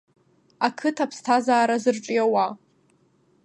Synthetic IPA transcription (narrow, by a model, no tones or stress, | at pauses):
akʰɨtʰapʰstʰazaːɾazɨrʈ͡ʂʼiawa